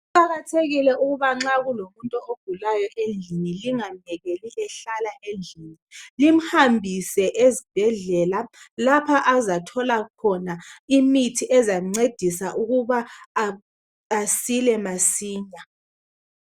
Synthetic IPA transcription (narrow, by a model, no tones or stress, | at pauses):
uǃaɣatʰeɣilɛuɣuβaŋ͡ǁaɣulomuntʼɔʔoɡ̥ʱulajɔʔend͡ɮʱiniliŋaɲɛɣeliʔɛɬalaʔend͡ɮʱiːnilim̩hambʱisɛʔezib̥ʱɛɮɛlalapʰaʔazatʰɔlakʰɔnaimitʰiʔɛzaŋ͡ǀed̥ʱisaʔuɣuβa | silɛmasiːɲa